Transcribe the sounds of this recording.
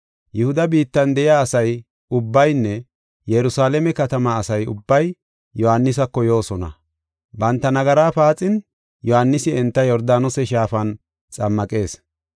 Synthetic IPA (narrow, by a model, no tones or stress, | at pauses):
jɪhʊd̪ɐbiːt̪ːɐnd̪ɛjɪaːɐsɐj | ʊbːɐjnːɛ | jɛɾʊsaːlɛmɛkɐt̪ɐmaːsɐjʊ̰bːɐj | jɔhanːɪs̬ɐkːɔjo̞ːsɔnɐ̰ | bɐnt̪ːɐnɐɡɐɾaːfaːt͡sʼɪn | jɔhanːɪsɪɛnt̪ːɐjɔɾd̪aːnɔsɛʃaːfɐn | t͡sʼɐmːɐkʼe̞ːs